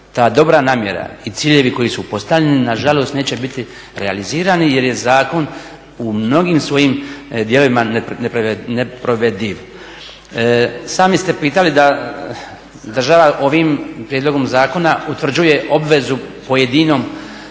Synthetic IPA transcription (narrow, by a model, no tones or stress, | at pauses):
t̪aːd̪o̞bɾanaːmje̞̰ɾa̰it̪siːʎe̞ʋiko̞jisupo̞st̪aʋʎʲeninaʒalo̞ːst̪ne̞ːt͡ɕe̞bit̪i | ɾea̰liziːɾanije̞ɾje̞zaːko̞n | umno̞ɡimsʋo̞jimd̪je̞lo̞ʋimannepnepɾoʋed̪iʋ | saːmist̪e̞piːt̪alid̪a | d̪r̩ʒaʋaʔo̞ʋimpɾjed̪lo̞ɡo̞mzaːko̞naut̪ʋr̩d͡ʑuje̞ʔo̞bʋe̞zupo̞je̞d̪ino̞m